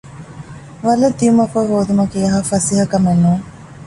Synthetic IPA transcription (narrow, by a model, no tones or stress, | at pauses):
ʋɐlɐd̪iumɐkoɦoːd̪umɐkiɐɦafɐsiɦɐkɐmenːuːŋ